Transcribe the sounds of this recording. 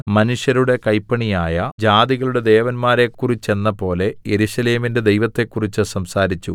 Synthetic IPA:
mɐnuʂjɐɾuɽe̞kɐjpːɐɳijaːjɐd͡ʑaːd̪iɣɐɭuɽe̞d̪e̞ːʋɐnmaːɾe̞kːurit͡ɕːe̞nːɐpo̞ːle̞jeɾuɕɐle̞ːminde̞d̪e̞jʋɐt̪ːe̞kːurit͡ɕːɨsɐmsaːɾit͡ɕːu

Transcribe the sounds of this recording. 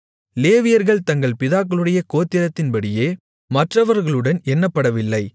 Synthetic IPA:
leːʋɪjɐɾɣɐɭt̪ɐŋɡɐɭpɪðaːkːɐɭɯɽɐjɐkoːt̪ːɪɾɐt̪ːɪnpɐɽɪjeː | mɐʈrɐʋɐɾɣɐɭɯɽɐnɛnːɐpːɐɽɐʋɪlːɐɪ

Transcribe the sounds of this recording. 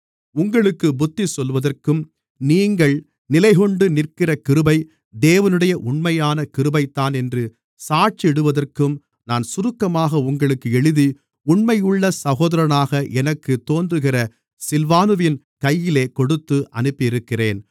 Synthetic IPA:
ʊŋɡɐɭɯkːɯbʊt̪ːisɔlʋɐðɐrkɯm | niːŋɡɐɭ | nɪlɐɪɣɔɳɖɯnɪrkɪrɐkɪɾɯbɐɪ | d̪eːʋɐnɯɽɐjɐʔʊɳmɐjaːnɐkɪɾɯbɐɪt̪ːaːnɛndrɯ | saːʈ̚t͡ʃiɛɽɯʋɐðɐrkɯm | naːnsʊɾɯkːɐmaːɣɐʊŋɡɐɭɯkːɯɛɻɯði | ʊɳmɐjʊɭːɐsɐɣoːðɐɾɐnaːɣɐʔɛnɐkːɯt̪ːoːndrɯɣɪrɐ | sɪlʋaːnɯʋɪn | kɐjːɪleːkɔɽɯt̪ːɯʔɐ̰nɯpːɪɪɾɯkːɪreːn

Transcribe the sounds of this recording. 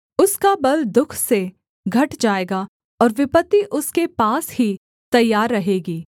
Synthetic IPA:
ʊskabɐld̪ʊkʰse | ɡʱɐʈd͡ʒaːeːɡa | ɔːɾʋɪpət̪ːiʔʊskepaːshi | t̪ɐjːaːɾːɐɦeːɡiː

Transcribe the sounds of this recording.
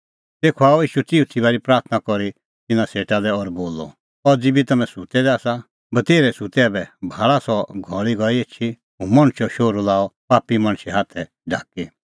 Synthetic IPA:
t̪eːkʰɔaːɔiːʃut̪iut̪ʰibaːɾipɾaːɾt̪ʰnakɔɾi | t̪ɪnãseːʈalɛɔɾboːlɔ̰ | ɔɾd͡zɪbit̪ɐmɛ̃sut̪ɛd̪ɛaːsa | bɐt̪eːɾɛsut̪ɛabɛbʱaːɭasɔɡʱɔɭiɡɔieːt͡ʃʰi | ɦũmɐ̃ɽ̃ʃɔʃoːɾolaːɔpaːpːimɐ̃ɽ̃ʃɛɦaːt̪ʰɛ | ɖʱa̰ːki

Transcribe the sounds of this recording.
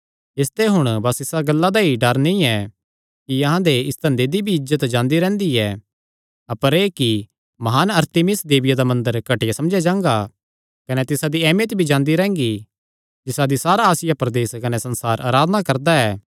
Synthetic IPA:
ɪst̪eɦʊɽ̃bɐsɪsaɡɐlːad̪aiɖɐɾnĩɛ | kiɐɦãd̪eɪst̪ɐ̃nd̪ed̪ibʱiɪd͡ʒd͡ʒət̪d͡ʒãːnd̪iɾɛ̃ːnd̪iɛ | ɐpəɾeːki | mɐɦaːnɐɾt̪emɪsd̪eːbɪjad̪amɐ̃nd̪əɾkɐʈɪjasɐmd͡ʒad͡ʒãːŋɡa | kɐnet̪ɪsad̪iɛːmjət̪bʱid͡ʒãːnd̪iɾɛ̃ːŋɡi | d͡ʒɪsad̪isaːɾaaːsɪjapɾɐd̪eːskɐnesɐ̃nsaːɾʔa̰ːɾaːd̪ənakɐɾd̪aɛː

